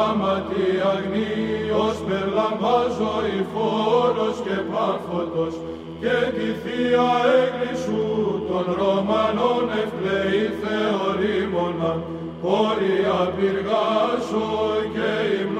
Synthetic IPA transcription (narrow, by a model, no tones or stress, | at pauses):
mɐt̪iɐɣniospeɾlɐɱvɐzoifoɾo̞scepɐɾfod̪os | cet̪iθiɐeɣɾisut̪onɾomɐnonefpleiθeoɾimo̞nɐ | xoɾiɐviɾɣɐsoceiml